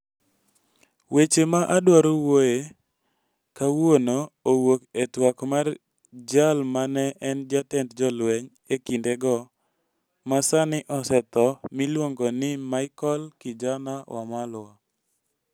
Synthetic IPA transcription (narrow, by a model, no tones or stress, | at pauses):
wet͡ʃemaʔadwaɾowoje | kawonoːwoketwakmar | d͡ʒalmanɛʔɛnd͡ʒatɛntd͡ʒɔlwɛɲ | ekindɛɡɔ | masanɪʔɔsɛt̪ɔmilwoŋɡɔnɪmaɪkɔlkɪd͡ʒanawʔa̰mala